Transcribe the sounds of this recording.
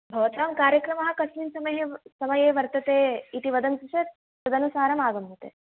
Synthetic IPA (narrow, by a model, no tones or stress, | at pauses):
bʱɐːt̪aːmkaːɾjɐkɾɐmɐɦɐ̆kɐsmiːnsɐmɐjesɐmɐjeːʋɐɾt̪ɐt̪eːiʈiʋɐd̪ʱɐnkɾuʃɐt̪̚ | sɐd̪ɐnusaːɾɐmaːɡɐmut̪ḛː